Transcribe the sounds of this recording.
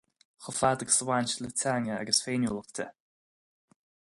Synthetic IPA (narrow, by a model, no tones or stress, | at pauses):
xəfaːd̪əɡsəwanʲʃələtʰaŋəa̰ɡəsfeːnjuːlˠəxt̪ʰə̰